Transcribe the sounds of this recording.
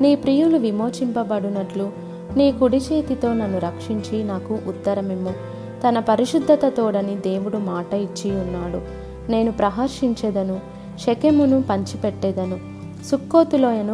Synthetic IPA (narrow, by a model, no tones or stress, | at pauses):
niːpɾiːjuluʋimo̞ːt͡ʃimpɐbɐɽunɐʈlu | niːkuɽit͡ʃeːt̪it̪o̞ːnɐnːuɾɐkʂiɲt͡ʃinaːkuʔut̪ːɐɾɐmimːu | t̪ɐnɐpɐɾiʃud̪ʱːɐt̪ɐt̪oːɽɐnid̪e̞ːwuɽumaːʈɐit͡ʃːiunːaːɽu | ne̞ːnupɾɐɦaɾʂiɲt͡ʃed̪ɐnu | ʃekemunupɐɲt͡ʃipɛʈːɛːd̪ɐnu | sukːo̞ːt̪ulo̞ːɐnu